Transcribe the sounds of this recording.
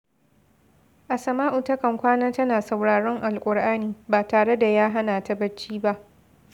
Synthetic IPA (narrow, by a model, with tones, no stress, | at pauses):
ʔa˨sɐ˨maː˦ʔʊ˨tɐ˦kɐ˨ŋkʷaː˦naː˦tɐ˦naː˨sa˨wɽaː˨ɽɔ˦ŋʔa˨lkʷʼʊ˨ɽʔaː˦niː˨baː˨taː˨ɽe˦da˨jaː˦ɦa˦naː˨ta˦bɐ˦t͡ʃːiː˦ba˦ʔ